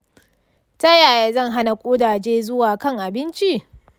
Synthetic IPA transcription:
tɐ˦jaː˨jaː˨zɐ˦˨ŋɦa˦na˨kʷʼoː˦daː˨d͡ʒeː˦zʊ˦waː˨kɐ˦˨ŋʔa˨bɪ˦nt͡ʃi˦

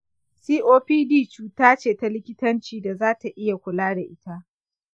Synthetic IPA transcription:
siː˦ʔoː˦ɸiː˦diː˦˨t͡ʃuː˦taː˦t͡ʃeː˨ta˦lɪ˦kʲɪ˦tɐ˦nt͡ʃiː˨da˨zaː˦ta˨ʔɪ˦ja˨kʷʊ˨laː˦da˨ʔɪ˦ta˦ʔ

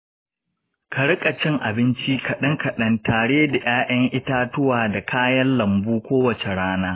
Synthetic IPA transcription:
kʰɐ˨ɽkʼɐ˨t͡ʃɪ˦ŋʔa˨bɪ˦nt͡ʃi˦kʰɐ˨ɗɐ˦ŋkɐ˨ɗɐ˦ntaː˨ɽeː˦da˨j̰aː˦ʔɐ˦ŋʔɪ˦taː˦tʊ˦waː˨da˨kʰaː˦jɐ˦nlɐ˨mbuː˦kʷoː˦wɐ˨t͡ʃe˨ɽaː˦naː˦

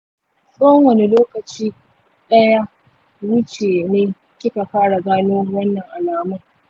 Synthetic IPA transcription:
sʼo˦ɐ˦ŋwɐ˨ne˦loː˦kɐ˨t͡ʃiː˦ | ɗɐ˦ja˦ | wʊ˦t͡ʃeː˨neː˦ | kʲɪ˦ka˨kaː˦ɽa˨ɡaː˦noː˦wɐ˦nːɐ˨ŋʔa˨naː˦mʊ˦ŋ

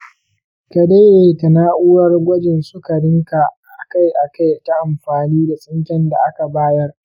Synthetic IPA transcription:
ka˨de˦ʔeː˨ka˨naː˦ʔʊː˦ɾɐ˦rɡʷɐ˦d͡ʒɪ˨nsʊ˦ka˨ɽɪ˦ŋka˨ʔa˨ka˦jʔa˨ka˦jta˦ʔa˨mɸaː˨niː˦da˨sʼɪ˦ŋkʲɛ˦nda̰˨ʔa˦ka˨baː˦jɐ˦r

